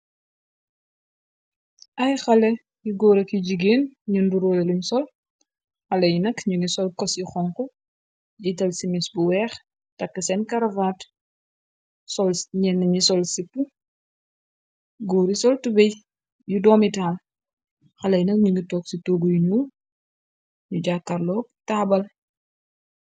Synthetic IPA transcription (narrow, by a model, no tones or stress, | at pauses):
ʔɐjxɐlɛ | juɡɔːɾɐkiɟiɡeːnɲunduɾɔːjɛluɲsɔl | xɐlɐjnɐkɲuŋɡisɔlkɔsjixɔŋkɔ | jitɐlsimisbuwɛːx | tɐkːɐsɛnkɐɾɐvaːt | sɔlɲɛnːɐɲisɔlsipːu | ɡɔːɾisɔltubɛj | judɔːmitaːl | xɐlɐjnɐk̚ɲuŋɡitɔːksitoːɡujuɲuː | ɲuɟaːkːɐrlɔːk̚taːbɐl